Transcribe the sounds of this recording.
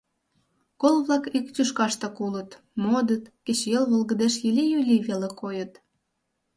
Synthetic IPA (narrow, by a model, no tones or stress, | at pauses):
kolβlɑkikt̪ʲyʃkɑʃt̪ɤ̆kulət̪ | mod̪ət̪kĕt͡ɕjelβolɣə̆d̪eʃjilʲijylʲiβelekojət̪